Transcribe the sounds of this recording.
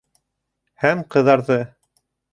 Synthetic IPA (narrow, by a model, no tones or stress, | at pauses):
hæmqɤ̆ðɑɾðɤ